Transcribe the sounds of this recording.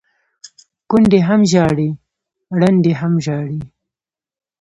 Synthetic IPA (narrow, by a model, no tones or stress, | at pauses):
kʊnd̪eɦamʒɑɽi | ɽand̪eɦamʒɑɽi